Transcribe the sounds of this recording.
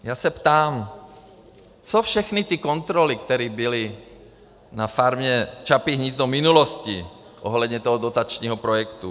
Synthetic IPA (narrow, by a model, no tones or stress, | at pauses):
jaːsɛpt̪aːm | t͡sofʃɛxnit̪ikont̪ɾolikt̪ɛɾiːbili | nafaɾmɲɛt͡ʃapiɦɲiːznominuloscḭ | ʔoɦlɛd̪ɲɛt̪oɦɔd̪ot̪at͡ʃɲiːɦɔpɾojɛkt̪u